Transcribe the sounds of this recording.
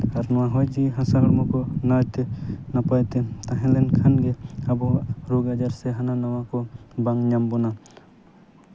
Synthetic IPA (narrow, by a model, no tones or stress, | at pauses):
aɾnɔwaɦɔjd͡ʒiɦasaɾaɾmɔkɔnajt̪enapajt̪et̪aɦɛlenkʰanɡeabɔɾuɡad͡ʒaɾseɦananawakɔbaŋɲambɔna